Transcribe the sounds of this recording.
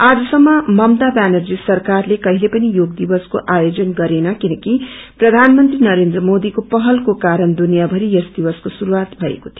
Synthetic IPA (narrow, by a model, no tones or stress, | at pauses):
ad͡zʌsʌmːʌmʌmt̪abanʌrd͡zisʌrkarlekʌɦilepʌnijoɡd̪ibʌskoʔajod͡zʌnɡʌɾenʌkinʌkiprʌd̪ʱanmʌnt̪rinʌɾend̪rʌmod̪ikopʌɦʌlkokaɾʌnd̪unijabʱʌɾiʌsd̪ibʌskosuɾuwat̪bʱʌḛkot̪ʰio